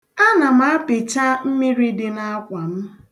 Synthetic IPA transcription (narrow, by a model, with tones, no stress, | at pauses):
a˦na˨m̩˦a˦pɪ˨t͡ʃa˦m̩˦mi˦ɾi˦dɪ˨na˦kʷa˨m̩˦